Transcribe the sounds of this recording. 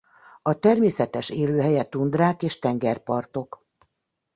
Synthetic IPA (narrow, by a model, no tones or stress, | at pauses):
ɒt̪ɛrmeːsɛt̪ɛʃeːløːɦɛjɛt̪und̪raːkeːʃt̪ɛŋɡɛrpɒrt̪o̞k